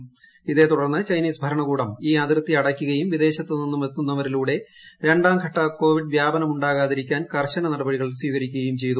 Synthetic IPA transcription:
iðe̞t̪uɽɐrnːɨt͡ɕɐjniːsbʱɐɾɐɳɐɣuːɽɐmiːɐd̪rɨt̪ːiɐɽɐkʲːuɣɐjumʋid̪e̞ːɕɐt̪ːeninːumʋet̪ːunːɐʋɐɾiluːɽe̞ | ɾe̞ɳɖaːmkʰɐʈːɐko̞ːʋiɖʋjaːbɐnɐmuɳɖaːɣaːðiɾikʲːaːnkɐrɕɐnɐnɐɽɐbɐɽiɣɐɭiswiːɣɐɾikʲːuɣɐjumt͡ɕe̞jt̪u

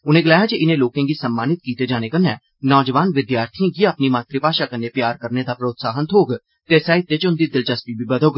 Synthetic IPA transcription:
ʊnẽːɡəlaːjaːd͡ʒiʔɪnẽːloːkãːɡiːsəmːaːnɪt̪̚kiːt̪eːd͡ʒaːñeːkənːɛ̰̃ː | nɔːd͡ʒʋaːnʋɪd̪jaːɾt̪ʰiãːɡiːəpniːmãːt̪ɾipaːʃaːkənːeːpjaːɾkəɾneːd̪aːpɾoːt̪saːɦənt̪ʰoːɡ | t̪eːsaːit̪ʋɪt͡ʃʊnd̪iːd̪ɪld͡ʒəst̪iːbiːbəd̪oɡ

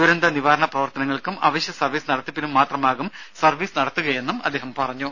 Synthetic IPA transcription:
uɾend̪ɐniʋaːɾɐɳɐprɐʋɐrt̪ɐnɐŋːɐɭkumɐ̰ʋɐɕjɐsɐrʋiːsɨnɐɽɐt̪ːipːinumːaːt̪rɐmaːɣumsɐrʋiːsnɐɽɐt̪ːuɣɐje̞nːumɐd̪ːeːhɐmpɐrɐɲːu

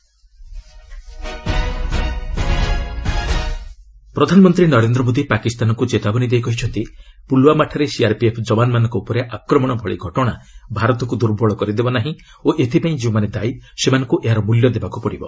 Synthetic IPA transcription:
pɾɔd̪ʱanɔmɔnt̪ɾinɔɾend̪ɾɔmod̪ipakist̪anɔkud͡ʒet̪abɔnid̪ejkɔɦit͡ʃʰɔnt̪i | pulwamaʈʰaɾesiaɾpiepʰd͡ʒɔbanmanɔ̃ŋkɔupɔɾeʔakɾɔmɔɽ̃ɔbʱɔɭḭɡʱɔʈɔɽ̃abʱaɾɔt̪ɔkud̪uɾbʱɔɭɔkɔɾid̪ebɔnaɦĩ | oʔet̪ʰipaĩd͡ʒibɔmaned̪aisemanɔŋkuʔeɦaɾɔmuljɔd̪ebakupɔɽibɔ

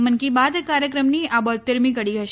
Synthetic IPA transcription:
mənkibad̪kaɾjəkɾəmniabɔt̪ːəɾmikəɽiɦəʃ

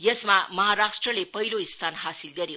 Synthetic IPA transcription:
jʌsmamʌɦaɾasʈrʌlepʌɦiloist̪ʰanɦasilɡʌɾjo

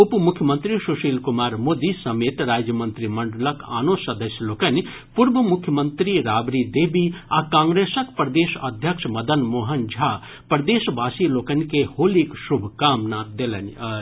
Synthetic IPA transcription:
upmukʰjəmənt̪ɾisuʃiːlkumaːɾmoːd̪isɐmeːt̪ɾaːd͡ʒjəmənt̪ɾimɐɳɖələka̰ːnosɐd̪əsʲjəlokɐn | puɾbɐmukʰːjəmənt̪ɾiɾaːbɾid̪eːbiaːkãːŋɡɾesəkpɾd̪eːsɐ̰d̪ʱjəkʂʰmɐd̪ənmoːɦɐnd͡ʒʱa | pɾɐd̪eːsbaːsilokɐnkehoːliksubʱkaːmnad̪elən

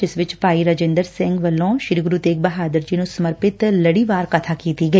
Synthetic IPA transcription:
d͡ʒɪsʋɪt͡ʃpaːiɾad͡ʒẽːnd̪əɾsɪ̃ŋɡʋəlːõːʃɪɾiɡɾuːt̪eːk̚bəɦaːd̪əɾd͡ʒiːnũsəməɾpɪt̪ləɽiːʋaːɾkət̪ʰaːkiːt̪iɡɐiː

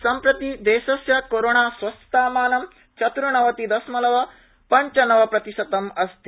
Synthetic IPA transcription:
sɐmpɾɐt̪id̪eːʃɐsjɐkoɾoːɳaːsʋɐst̪aːmaːnɐm | t͡ʃɐt̪ɾuɳɐʋɐt̪id̪ɐsmɐlɐʋɐ | pɐɲt͡ʃɐnɐʋɐpɾɐt̪iʃɐt̪ɐmɐst̪i

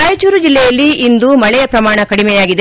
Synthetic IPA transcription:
aːjɐt͡ʃuːɾud͡ʒilːɛjɐlːiind̪umɐɭɛjɐpɾɐmaːɳɐkɐɽimɛjaːɡid̪e

